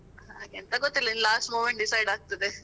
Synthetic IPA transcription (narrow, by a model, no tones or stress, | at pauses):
haːɡɛnt̪ɐɡot̪ːilːɐinlaːsʈmoːmeɳʈ̚ɖisɐjɖaːɡ̚t̪ɐd̪e